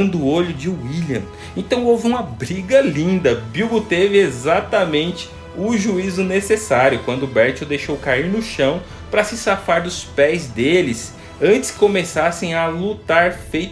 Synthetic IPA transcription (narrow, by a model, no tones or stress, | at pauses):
nd̪ʊːoʎʊd͡ʒɪiljɐ̃ | ẽt̪ɐ̃w̃owvɪũmɐbɾiɡɐlĩnd̪ɐbiwɡʊt̪evɪezat̪ɐmẽnt͡ʃɪ̥ | ʊʒuizʊnesesaɾjʊkwɐ̃nd̪ʊbɛɾt͡ʃʊd̪ejʃowkaiɾnʊʃɐ̃w̃ | pɾɐsɪsafaɾd̪ʊspɛjzd̪elɪs | ɐ̃nt͡ʃɪ̥skɪ̥komesasẽj̃ɐlut̪aɾfej